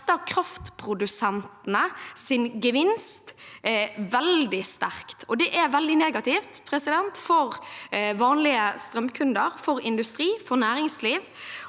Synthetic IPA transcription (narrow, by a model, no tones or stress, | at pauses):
t̪ːəɑkʰɾɑft̪pʰɾʊd̪ʉsɛnt̪ənəsɪnɡəʋɪnst̪ | ʋɛld̪ɪst̪æɾkt̪ʰɔd̪ɛʔɛʋɛld̪ɪneːɡɑt̪ɪft̪pʰɾɛsɪd̪ɛnt̪fɔɾʋɑːnlɪəst̪ɾœmkʰʉnd̪əɾfɔɾɪnd̪ʉst̪ɾiːfɔɾnæːɾɪŋsliːʋ